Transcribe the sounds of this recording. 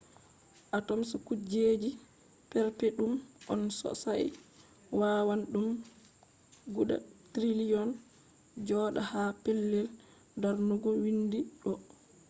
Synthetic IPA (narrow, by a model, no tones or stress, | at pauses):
ʔatɔmsakud͡ʒeːd͡ʒi | pɛɾpɛɗumʔɔnsɔ̰saj | wawanɗum | ɡuɗa̰tɾilijɔn | d͡ʒɔːɗahapɛlːɛl | daɾnuɡɔwindiɗɔ